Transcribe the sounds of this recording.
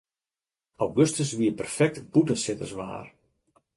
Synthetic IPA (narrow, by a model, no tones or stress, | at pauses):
awɡøstəsʋiəpərfɛk̚tbutənsɪtə̰rsʋa̰ːr